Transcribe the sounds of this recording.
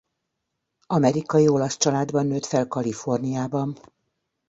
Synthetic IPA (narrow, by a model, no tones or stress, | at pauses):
ɒmɛɾikɒjio̞lɒst͡ʃɒlaːd̪bɒnːøːt̪fɛlkɒlifo̞rnijaːbɒn